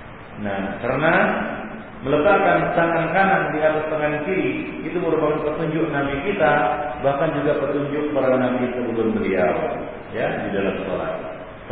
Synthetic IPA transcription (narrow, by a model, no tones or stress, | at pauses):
nahkərəna | mələpakant̪aŋkankanandiat̪ast̪aŋankiɾiit̪uməɾupakanpərt̪uɲd͡ʒʊk̚nabikit̪abahkand͡ʒuɡapət̪uɲd͡ʒʊk̚paɾanabisubulʊnbəlia̰wa̰ | jadidalamso̰la̰t̪̚